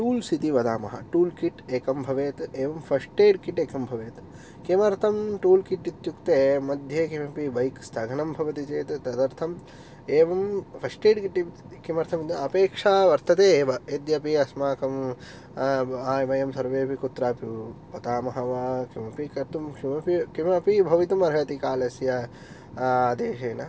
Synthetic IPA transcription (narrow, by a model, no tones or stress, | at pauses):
ʈuːlsit̪iʋɐd̪aːmɐ̰ɦɐ̰ʈuːlkiʈeːkɐmbʱɐʋeːt̪eːʋɐmpʰɐsʈeːɖkiʈeːkɐmbʱɐʋeːt̪ | kemɐɾt̪ʰɐmʈuːlkiʈːit̪jukt̪eːmɐd̪ʱjekimɐpiʋɐjkst̪ʰɐɡʱɐɳɐmbʱɐʋɐt̪it͡ʃeːt̪t̪ɐd̪ɐɾt̪ʰɐm | eːʋɐmpʰɐsʈeːɖkiʈːi | kimɐɾt̪ʰɐmɐpeːkʂaːʋɐɾt̪ɐt̪eːʋɐed̪jɐpiɐsmaːkɐm | aːjʋɐjɐmsɐɾʋeːpikut̪ːɾaːpjipɐt̪aːmɐɦɐʋakimɐpikɐɾt̪umkʂimɐpikimɐpibʱɐʋit̪ɐmɐɾɦɐt̪ikaːlɐsjɐ | aːd̪eːʃeːnɐ